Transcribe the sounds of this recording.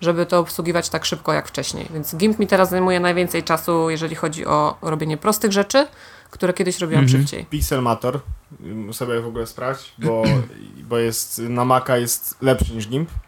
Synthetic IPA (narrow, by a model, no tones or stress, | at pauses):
ʐɛbɘt̪ɔɔpswuɡʲivat͡ɕt̪akʂɘpkɔja̰kft͡ʂɛɕɲḛjvʲjɛnɡʲimpmʲit̪ɛɾaszajmujɛnajvʲɛnt̪sɛjt͡ʂasujɛʐɛlʲixɔd͡ʑḭʔɔ̰ɾɔbʲjeɲɛpɾɔst̪ɘɣʐɛt͡ʂɘ | kt̪uɾɛkʲɛd̪ɘɕɾɔbʲiwãmʂɘpt͡ɕḛjpʲiksɛlmat̪ɔɾ | usɔbʲɛvɔɡulɛspɾaft͡ɕbɔbɔjɛst̪namakajɛst̪lɛpʂɘɲiʐɡʲimp